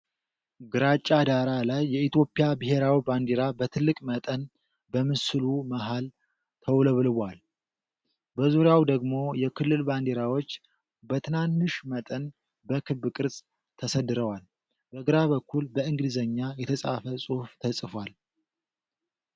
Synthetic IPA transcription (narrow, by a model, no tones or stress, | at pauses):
ɡɨɾat͡ʃʼːad̪aɾalajːɛit̪jo̞pʼijabɨɦe̞ɾawiband̪eɾabət̪ʰɨlːɨkʼmət̪ʼən | bəmɨsɨlumaɦal | t̪ʰəwləβlɨβʷal | bəzuɾjawd̪əɡmo̞jɛkʰɨlːɨlband̪eɾawo̞t͡ʃː | bət̪ʰɨnanːɨʃmət̪ʼən | bəkʰɨβɨkʼɨɾzʼ | t̪ʰəsəd̪ɨɾəwal | b̥əɡɨɾaβəkʰːulbəɨŋɡɨdɨzəɲːajɛt̪ʰəsʼa̰fəsʼuft̪ʰəsʼɨfwal